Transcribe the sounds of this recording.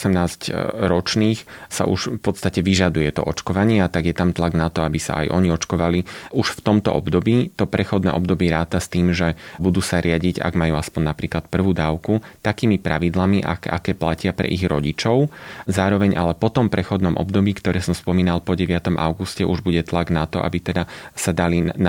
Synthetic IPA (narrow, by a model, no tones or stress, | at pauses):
sɛmnaːzcɾɔt͡ʃniːxsa̰ʔṵʃfpɔt̪st̪acɛʋiʒad̪ujɛt̪ɔ̰ʔɔt͡ʃkɔʋaɲɪɛt̪aɡjɛt̪amt̪laɡnat̪ɔabisa̰ʔa̰jʔɔɲiɔt͡ʃkɔʋaliuʃft̪ɔmt̪ɔ̰ʔɔ̰bd̪ɔbiːt̪ɔpɾɛxɔd̪nɛ̰ːʔɔbd̪ɔbiɛɾaːt̪ast̪iːmʒɛbud̪uːsaɾɪaɟiɟa̰ɡmajuːaspɔɲnapɾiːklat̪̚pr̩ʋuːd̪aːʊkut̪akiːmipɾaʋid̪lamiʔa̰ka̰kɛːplacɪapɾɛ̰ʔiɣɾɔɟit͡ʃɔʊzaːɾɔʋɛɲʔalɛpɔt̪ɔmpɾɛxɔd̪nɔmʔɔ̰bd̪ɔbiːkt̪ɔɾɛːsɔmspɔmiːnalˠpɔɟɛʋɪat̪ɔmʔa̰ʊɡuscɛʔuʒbuɟɛt̪laɡnat̪ɔʔa̰bit̪ɛd̪asad̪alin